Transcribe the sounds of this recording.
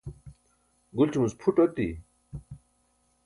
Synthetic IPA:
ɡult͡ɕumuspʰuʈot̪i

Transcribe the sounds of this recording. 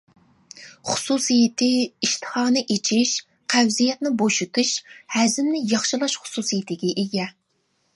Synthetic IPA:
χʊ̥susijɪt̪ʰɪiʃt̪ʰɨ̥χɑːnɨʔet͡ʃʰiʃ | qʰɛwzijɛt̪nɪboʃut̪ʰuʃhɛzɪmnɪjɑχʃɨlˠɑʃχʊ̥susijit̪ʰɪɡʲɛʔeɡʲɛ

